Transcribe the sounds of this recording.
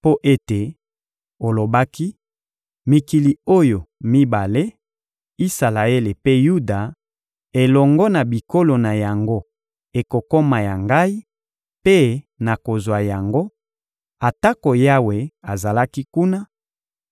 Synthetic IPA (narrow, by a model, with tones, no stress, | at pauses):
po˦ʔe˦te˨ | o˨lo˨ba˦ki˦ | mi˨ki˨li˨o˦jo˨mi˦ba˨le˦ | i˦sa˨la˨e˦le˨pe˦ju˦da˨ | e˨lɔ˨ŋɡɔ˦na˨bi˨ko˦lo˨na˨ja˨ŋɡo˦ | e˨ko˨ko˦ma˨ja˨ŋɡa˦i˦ | pe˦ | na˨ko˨zwa˨ja˨ŋɡo˦ | a˨ta˦ko˨ja˦we˨a˨za˨la˦ki˦ku˦na˦